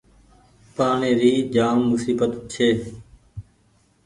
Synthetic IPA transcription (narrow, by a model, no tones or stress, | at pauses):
paːɳeːɾiːd͡ʒaːmmʊsiːbət̪t͡ʃʰeː